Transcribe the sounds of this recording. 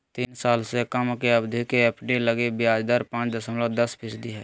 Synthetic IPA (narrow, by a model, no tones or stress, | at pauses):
t̪iːnsaːlsekəmkeəbd̪ʱikeɛːpʰɖeləɡebɪjaːd͡ʒd̪aːɾpãːt͡ʃd̪əsəmlod̪əspʰɪsd̪iɦɛː